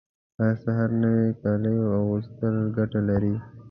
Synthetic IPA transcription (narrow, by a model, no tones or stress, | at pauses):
asaɦaɾnəwekɑləjoawust̪əlɡaʈalaɾi